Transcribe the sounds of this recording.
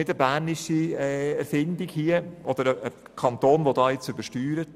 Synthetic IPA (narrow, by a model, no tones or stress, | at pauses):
ɪdəbæːɾnɪʃiɛɛɾfɪndikhiəʔɔd̥̪əɾəə | kʰɑnt̪oːnʋodɑːjɪt͡sʏbəʃtyːɾət